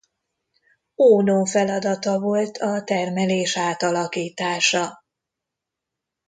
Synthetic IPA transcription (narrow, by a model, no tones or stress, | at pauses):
oːnofɛlɒd̪ɒt̪ɒvo̞lt̪ʰɒt̪ɛrmɛleːʃaːt̪ɒlɒkiːt̪aːʃɒ